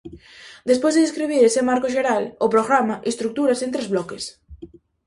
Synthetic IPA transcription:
d̪espojzðeðeskɾiβ̞iɾesemaɾkʊʃeɾalʊpɾoɣɾamaʔest̪ɾuk̚t̪uɾasẽnt̪ɾezβlɔkes

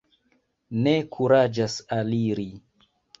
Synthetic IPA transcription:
ne̞kʰuɾad͡ʒasaliɾi

